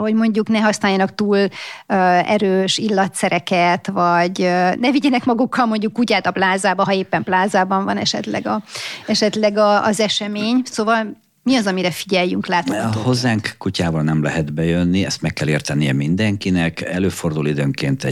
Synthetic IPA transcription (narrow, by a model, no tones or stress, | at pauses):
hoɟmo̞ɲɟuknɛɦɒsnaːjɒnɒkt̪uːløɛ̰ɾøːʃilːɒt̪sɛɾɛkɛt̪vɒɟønɛviɟɛnɛkmɒɡukːɒlmo̞ɲɟukːucaːt̪ɒplaːzaːbɒɦɒeːpːɛmplaːzaːbɒɱvɒnɛʃɛ̰t̪lɛ̰ɡɒɛʃɛt̪lɛɡɒːzɛʃɛmeːɲsoːvɒl | miɒzɒmiɾɛfiɟɛjːyŋklaːt̪oho̞zːaːŋkkucaːvɒlnɛmlɛɦɛd̪bɛjønːiɛst̪mɛkːɛleːrt̪ɛnijɛmind̪ɛŋkinɛkɛløːfo̞rd̪ulid̪øːŋkeːnt̪ɛ